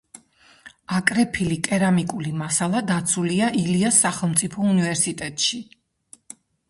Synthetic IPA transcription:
akʼɾɛpʰilikʼɛɾamikʼulimasalˠad̪at̪sʰuliaʔiliasːaχɛlˠmt̪sʼipʰɔunivɛɾsit̪ʼɛt̪ʼʃi

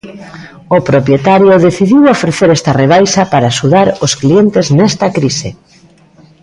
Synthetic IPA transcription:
opɾopjet̪aɾjoðeθiðiwofɾeθeɾɛst̪ɐreβ̞ajsɐpaɾaːʃuðaɾosklient̪eznɛst̪ɐkɾise

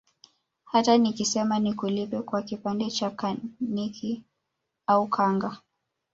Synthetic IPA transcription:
hatanikisɛmanikulipɛkwakipandɛt͡ʃakanikʰi | aukʰaŋɡa

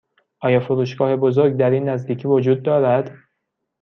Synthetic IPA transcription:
ʔɒːjɒːfoɾuːʃɡɒːhe̞bozoɾɡ̚d̪æɾiːnːæzd̪iːcʰiːvod͡ʒuːd̪̚ːɒːɾæd̪̥

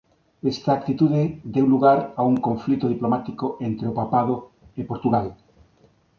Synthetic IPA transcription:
est̪aːk̚t̪it̪uðed̪ewluɣaɾauŋkoɱflit̪oð̞iplomat̪ikoent̪ɾeopapað̞o | epoɾt̪uɣal

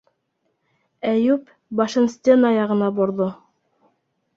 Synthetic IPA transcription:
æjʉp | bɑʃɤnsʲt̪ʲenɑjɑʁɤ̆nɑboɾðo

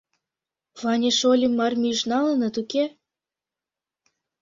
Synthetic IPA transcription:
vɑnʲeʃolʲimːɑrmʲiʃnɑlənɤ̆t̪uke

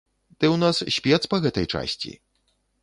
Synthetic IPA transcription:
d̪̥ɛwnasɕʲpʲɛt̪spɐɣɛt̪ɐjt͡ʂa̰sʲt͡sʲḭ

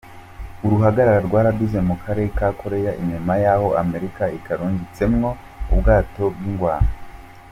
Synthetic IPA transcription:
uɾuɦaɡaɾaɾaɾɡwaːɾaɡize̞mukʰaɾe̞ɾekakʰo̞ɾe̞jaʔḭɲomajaːho̞ame̞ɾikaikaɾuːɲɡit͡se̞mŋo̞ | ubɡaːto̞bɡiŋɡwaːɾa

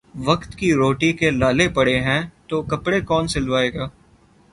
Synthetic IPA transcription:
ʋɐkt̪kiɾoːʈikelaːlepɐɽeɦɛ̃t̪okɐpɽekɔːnsɪlʋaːeːɡaː

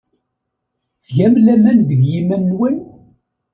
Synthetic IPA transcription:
θʝæmlæmænðəɡjimænːwæn

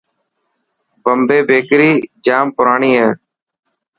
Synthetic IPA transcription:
bəmbʱeːbeːkɾiːd͡ʒaːmpʊɾaːɳiːɦẽː

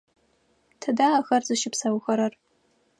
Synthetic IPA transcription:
tʰadaːxɐrzɨʃɪpsawxɐɾɐr

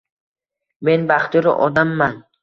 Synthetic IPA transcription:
me̞nbaχt̪ʊɾɪ̰ʔɒd̪amːan

